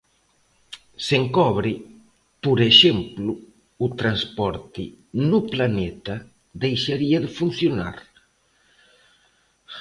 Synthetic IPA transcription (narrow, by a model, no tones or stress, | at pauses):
seŋkɔβɾi | puɾeʃempluː | t̪ɾanspɔɾt̪ḭnuplanɛt̪a | d̪ejʃaɾiaðəfunθjuna̰ɾ